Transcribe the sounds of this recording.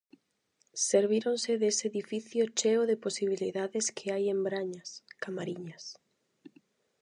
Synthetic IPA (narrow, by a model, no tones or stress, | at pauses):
seɾβ̞iɾonsɪðeseðifiθjot͡ʃeoðeposiβiliðaðɪskʰeajembɾaɲaskamaɾiɲas